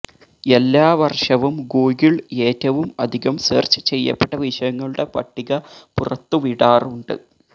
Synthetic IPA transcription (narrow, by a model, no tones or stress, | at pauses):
e̞lːaːʋɐrʂɐʋumɡuːɣiɭe̞ːtːɐʋumɐd̪ʱiɣɐmsḛːrt͡ɕɨ̥t͡ɕe̞jːɐ̰pːeʈːɐʋiʂɐjɐŋːɐɭuɽe̞pɐʈːiɣɐpurɐt̪ːuʋiɽaːruɳɖɨ̰